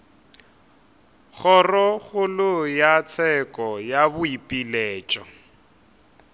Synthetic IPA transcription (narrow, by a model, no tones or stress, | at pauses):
ɣɔrɔɣʊlʊjat͡sʰɛkʼɔjabʊipʼilɛːt͡ʃʼɔ